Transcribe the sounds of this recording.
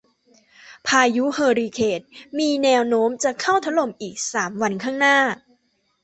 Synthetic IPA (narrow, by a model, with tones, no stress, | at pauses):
pʰaː˧ju˦˥hɤː˧ɾiː˧kʰeː˨˩t̪̚miː˧nɛː˧wnoː˦˥mt͡ɕa˨˩kʰa˥˩wt̪ʰa˦˥lo˨˩mʔiː˨˩k̚saː˩˦mwa˧nkʰaː˥˩ŋnaː˥˩